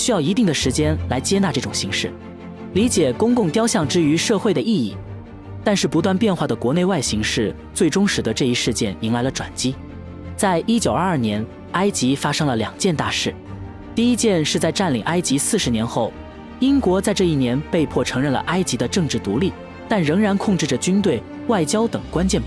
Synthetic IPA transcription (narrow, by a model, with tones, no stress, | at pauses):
ɕy˥jɑ˥˩ʊi˧˥t̪i˥˩ŋd̪ə˩ʂɻ̩˧˥t͡ɕjɛ˥nla˧˥ɪt͡ɕjɛ˥na˥˧ʈ͡ʂɤ˥˩ʈ͡ʂʊ˨˩ŋɕi˧˥ŋʂɻ̩˥˩ | li˧˥t͡ɕjɛ˨˩kʊ˥ŋkʊ˥˩˧ŋt̪jɑ˥ʊɕjɑ˥˩ŋʈ͡ʂɻ̩˥y˧˥ʂɤ˥˧xwe˥˩ɪd̪ə˩ʔi˥˧ḭ˥˩ | t̪a˥˧nʂɻ̩˥˩pu˧˥t̪wa˥˧npjɛ˥˧nxwa˥˩d̪ə˩kwɔ˧˥ne˥˧wa˥˩ɪɕi˧˥ŋʂɻ̩˥˧ | t͡swe˥˩ɪʈ͡ʂʊ˥ŋʂɻ̩˨˩d̪ə˧˦ʈ͡ʂɤ˥˧i˥ʂɻ̩˥˧t͡ɕjɛ˥˩ni˧˥ŋla˧˥ɪlə˧ʈ͡ʂwa̰˨˩nt͡ɕi˥ | t͡sa˥˩ɪʔi˥t͡ɕjo˨˩ʊ˞˥˧ɐ˞˥˩njɛ˧˥n | a˥ɪt͡ɕi˧˥fa˥ʂɤ˥ŋlə˨ljɑ˨˩ŋt͡ɕjɛ˥˧nt̪a˥˧ʂɻ̩˥˩ | t̪i˥˩i˥t͡ɕjɛ˥˧nʂɻ̩˥˧t͡sa˥˧ɪʈ͡ʂa˥˩nlḭ˨˩ŋʔa˥ɪt͡ɕi˧˥sɹ̩˥˩ʂɻ̩˧˥njɛ˧˥nxo˥˩ʊ | i˥nkwɔ˧˥t͡sa˥˧ɪʈ͡ʂɤ˥˧i˥˩njɛ˧˥npe˥˧ɪpʰwɔ˥˩ʈ͡ʂʰɤ˧˥ŋɻə˥˩nlə̰˩ʔa˥ɪt͡ɕi˧˥d̪ə˧ʈ͡ʂɤ˥˧ŋʈ͡ʂɻ̩˥˩t̪ṵ˧˥li˥˩ | t̪a˥˩nɻɤ˧˥ŋɻa˧˥nkʰʊ˥˧ŋʈ͡ʂɻ̩˥˩ʈ͡ʂə˩t͡ɕy˥nt̪̬we˥˩ɪ | wa˥˩ɪt͡ɕjɑ˥ʊt̪ɤ˨˩ŋkwa˥nt͡ɕjɛ˥˩np